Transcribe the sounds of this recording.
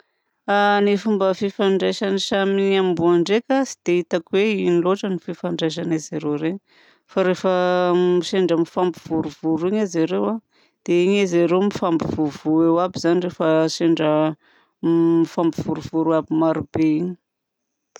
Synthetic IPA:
anifumbəfifaɳɖ͡ʐajʃaniʃamiɲammbuaɳɖ͡ʐekʲasi̥d̪̥eit̪akweiniloʈ͡ʂənififaɳɖ͡ʐajʃ̬anezaɾewɾeɲi | faɾefəmiʃeɳɖ͡ʐəmifambuv̥uɾuvuɾiɲazaɾewa | d̪̥eiɲezaɾemifambuv̥uvuewabizanirefəʃeɳɖ͡ʐə | mifambiv̥uɾuvuɾuabimaɾub̥eiɲi̥

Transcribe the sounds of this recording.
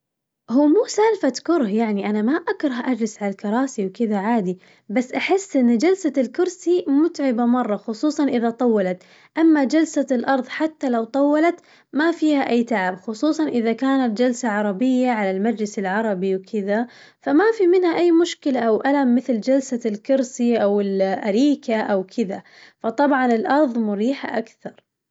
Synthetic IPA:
huːmuːsaːlfat̪kʊɾˤhjaʕniʔanamaʔakɾˤɑhʔad͡ʒlɪsʕalalkɑɾˤɑːsiwkɪðaʕaːd̪i | basːʔaħɪsːʔɪnːd͡ʒalsalkʊɾsimʊt̪ʕɪbamɑrˤːɑxʊsˤuːsˤɑnʔɪðat̪ˤɑwːɑlat̪ | ʔamːad͡ʒalsalʔɑɾˤðˤħat̪ːalawt̪ˤɑwːɑlat̪ | mafiːhaʔajːt̪aʕabxʊsˤuːsˤɑnʔɪðakaːnat̪̚d͡ʒalsaʕɑɾˤɑbɪjːaʕalalmad͡ʒlɪsɪlʕɑɾˤɑbiwkʰɪða | famafimɪnhaʔajːmʊʃkɪlaʔawʔalamːɪθld͡ʒalsalkʊɾsiʔawɪlʔaɾiːkaʔawkʰɪða | fɑt̪ˤɑbʕɑnɪlʔɑɾˤðˤmʊɾiːħa̰ʔakθɑɾˤ

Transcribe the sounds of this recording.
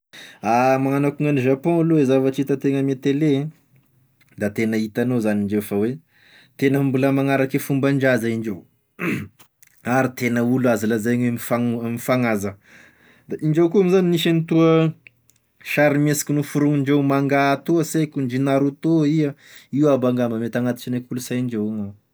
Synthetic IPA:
amaŋanakuŋaniʒapɔ̃aluezavaʈ͡ʂit̪ət̪eŋəmet̪elẽ | d̪at̪enəit̪anozaniɳɖ͡ʐewfəwe | t̪enəmbuləmaŋaɾakefumbaɳd͡ʒazaiɳɖ͡ʐew | aɾit̪enəuluazalazajɲwemifamifaŋazə | d̪aʔiɳd͡ʒewkuamizaniniʃanit̪uə | ʃaɾimesi̥kʲinufuɾuŋiɳd͡ʒewmaŋɡat̪uəsekʲuɳɖ͡ʐinaɾut̪oiəiwabaŋɡambamet̪aŋat̪i̥t͡ʃinakulusajiɳd͡ʒewaŋa

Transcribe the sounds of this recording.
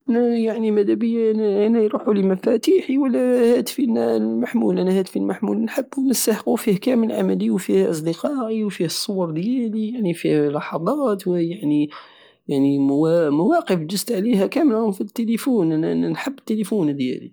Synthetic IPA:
ʔænæjaʕnimæd̪æbəjːaʔnʔænæjɾuħuləmæfæt̪iħiwəlːæhæt̪finæmaħmulʔænæhæt̪filmaħmulnħəbːwnəst̪aħəqufihkæməlʕa̰mæliwfihʔɑs̬ˤd̪əqɑʔiwfihsˤːʊwɑɾˤd̪jælijaʕnifihlɑħɑd̪ˤɑt̪wjaʕni | jaʕnimæwɑqəfd͡ʒəst̪ʕliɦækæməlhʊmfit̪ːelifunʔænænħəbːt̪ːelifund̪jæ̰lḭ

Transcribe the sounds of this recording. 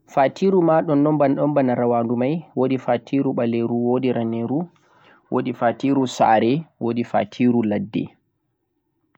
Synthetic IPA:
fatiːɾumaɗɔnːɔmbanɗɔmbanaɾawaːndumajwodifatʰiɾuɓaleɾuwoːdiɾaneɾu | wʔo̰difatiɾusa̰ːɾɛwodifa̰tʰiːɾuladːɛ̰

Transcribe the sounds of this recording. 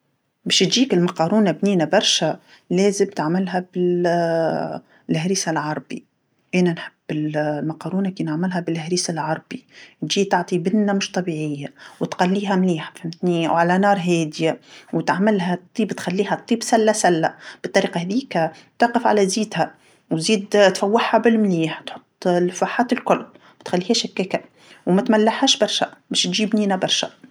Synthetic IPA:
beːʃt̪ʒiːkɪlmɑqɑːɾuːnabniːnabɑɾˤʃa | leːzɪmt̪aʕmɪlɦabɪ | lʔhɾisalʕɑɾˤbḭ | ʔeːnanħɪbːɪlmɑqɑːɾuːnakiːnaʕmɪlɦabɪlʔɪhɾiːsalʕɑɾˤbit̪ʒiːt̪ɑʕt̪ˤibɪnːamʊʃt̪ˤɑbiːʕɪjːawɪt̪xalːiːɦamliːħafimθniːa̰wʕalanɑːɾˤɦeːd̪jawɪt̪ʕamɪlhat̪ˤːiːbt̪xalːiːɦat̪ˤːiːbsalːasalːab̥ɨt̪ˤːɑɾiːqɑhaðiːka | t̪ɑʕqɪfʕa̰laziːd̪ha | w̪ziːd̪t̪fawːɪħhabɪlmliːħt̪ħʊt̪ˤːlfaħaːt̪ɪlkʊlː | wɪt̪xalːiːhaʃakːeːka | wmat̪malːaħhaːʃbɑɾˤʃa̰mɪʃt̪ʒiːbniːnabɑɾˤʃa

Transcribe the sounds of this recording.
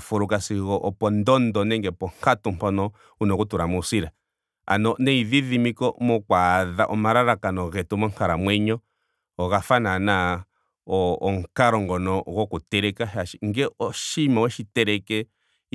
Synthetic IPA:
fuɾukasiɣɔʔɔpɔndɔndɔnɛŋɡɛpɔŋ̥katumpɔnɔ | unɔkutuɾamusiɾa | a̰nɔnɛiðiðimikɔmɔkwaðaʔɔmaɾaɾakanɔɣɛtumɔŋkaɾamwɛɲɔ | ɔɣafanana | ɔːŋkaɾɔŋɡɔnɔɣɔkutɛɾɛkaʃaʃiŋɡɛɔʃimawɛʃitɛɾɛkɛ

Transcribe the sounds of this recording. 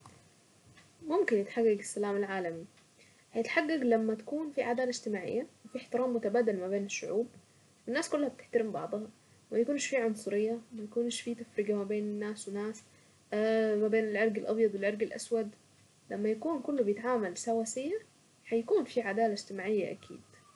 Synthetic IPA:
mʊmkɪnjɪt̪ħaɡːaɡɪsːalaːmalʕaːlami | hajɪt̪ħaɡːaɡlamːat̪ḁkuːnfiʕad̪aːlaɪd͡ʒt̪ɪmaːʕɪ̰jːawfiħt̪ɪɾaːmːʊt̪abaːd̪almabeːnɪʃːʊʕṵːb̚ | wɪnːaːskʊlːhab̚t̪ɪ̥ħt̪aɾɪmbɑʕd̪ˤɑhɑ | majakuːnʃfiːʕʊnsˤʊɾɪjːamajakuːnʃfiːt̪afɾɪɡamabeːnɪnːaːswɪnaːs | mabeːnɪlʕeɾɡɪlʔɑ̰bjɑd̪ˤwɪlʕeɾɡɪlʔa̰swad̪ | lamːajakuːnkʊlːobɪjɪt̪ʕaːmalsawaːsɪjːa | ħajakuːnfiʕad̪aːlaɪd͡ʒ̥t̪ɪmaːʕɪjːa̰ʔa̰kʰḭːd̪̥

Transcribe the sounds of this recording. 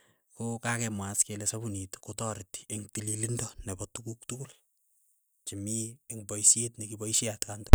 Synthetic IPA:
kokakɛmwaskelɛsabunitkotɔɾti̥eŋtililindɔnɛbɔtukuktukul | t͡ʃimieŋbɔisjetnɛkibɔisiatkandɔ

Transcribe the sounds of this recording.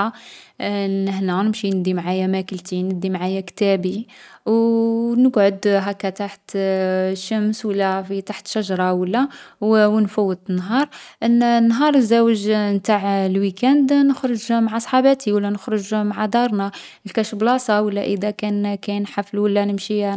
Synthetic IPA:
nəhnænəmʃinəd̪imʕajæmækəlt̪inəd̪imʕajækt̪æbiwnəɡʕʊd̪ɦækːæt̪aħt̪ | ʃːæmswəlːæfit̪aħt̪ʃæʒɾˤɑwəlːæwwnfuwːət̪ənːɦɑɾˤʔənːnːɦɑɾˤzæwəʒnt̪aʕlwikænd̪nəxɾˤəʒmaʕasˤħɑbæt̪ʰiwəlːænəxɾəʒmaʕad̪ɑɾˤnæ | lkæʃəblɑsˤɑwəlːæʔəd̪ækænkæjnħafəlwəlːænəmʃi

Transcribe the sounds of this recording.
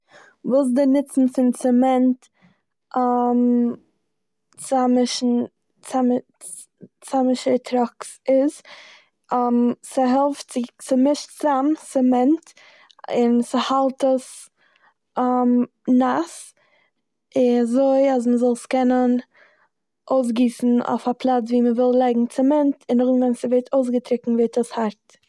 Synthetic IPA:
vuːs̬dɪnɪt͡sn̩t͡sɪmt͡sɛmɛnt | am | t͡samɪʃn̩ | t͡sam | t͡samɪʃəɾtʰɾɔksɪz | amsɪɦɛlˠftt͡sɪsɪmɪʃt͡samt͡sɛmɛnt | ɪnsɪhalˠtəs | m | nas | ɪnazoɪasməzɔlˠskɛnən | ʔoʊs̬ɡiːsn̩o̰ʊfapʰlˠat͡sviːməvɪlˠlˠaɪɡŋ̩t͡sɪmɛntɪnɔχvɛnsɪvɛɾtʰoʊs̬ɡətɾɪkŋ̩vɪɾtəshaɾt

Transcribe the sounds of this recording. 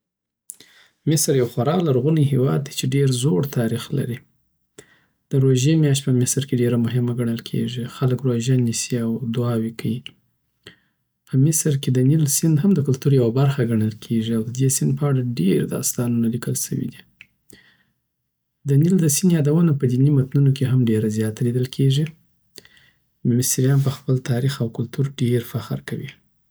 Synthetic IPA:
mɪsɾjawxwaɾɑlaɾɣuniɦewɑ̰d̪̚ːet͡ʃeɖeɾzoɽt̪ʰɑɾixla̰ɾi | d̪̥əɾoʒemjɑʃ̬t̪̚pəmɪsɾkeɖeɾamʊɦɪmaɡaɳəlkʰḛʐixaləkɾoʒjanisiawd̪ʊɑwikai | pʰəmɪsɾked̪ənilsɪnd̪ɦamd̪əkʊlt̪uɾjawabaɾxaɡaɳəlkʰeʐiawd̪əd̪esɪnd̪pəaɽaɖeɾd̪ɑ̰st̪ɑnunalikəlʃə̰wḭd̪i | d̪ənild̪əsɪnjɑd̪awənapəd̪inimat̪nunokeɦamɖeɾazjɑt̪alid̪əlkʰeʐi | mmɪst̪ɾijɑnp̬əxpəlt̪ɑɾixawkʊlt̪uɾɖeɾfaxɾkawḭ

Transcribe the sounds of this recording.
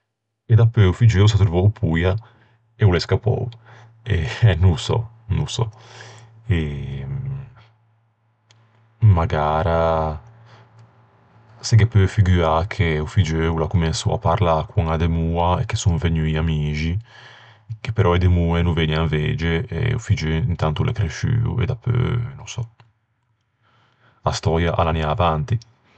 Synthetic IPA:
ɛd̪apːøufid͡ʒeus̬at̪ɾuvɔwpʰuja | eulɛskapːɔ̰w | ɛnusɔ̰ | nusɔ̰ | ɛ | maɡaːɾa | sɛɡɛpːøfiɡyakʰeufid͡ʒøulakumɛnsṵa̰pːaɾlakwuŋad̪emuːaekːesuŋveɲyiamiːd͡ʒi | ke̥pːeɾʔɔed̪emuːenuveɲiaɱved͡ʒeḛṵfid͡ʒøint̪ant̪ulʔḛkɾeʃy̰ːṵɛ̰d̪apʰːø̰nõsɔ | ast̪ɔːjaʔalanjaːvant̪i

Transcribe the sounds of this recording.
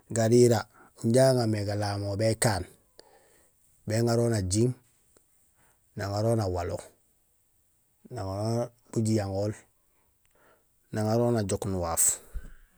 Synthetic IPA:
ɡaɾiɾa | uɲɟaːŋameɡalaːmobekaːn | beːŋaɾoːnaɟiŋ | naŋaɾoːnawalo̰ | naŋaɾo | b̥uɟijaŋoːl | naŋaɾoːnaɟoknuwaːf

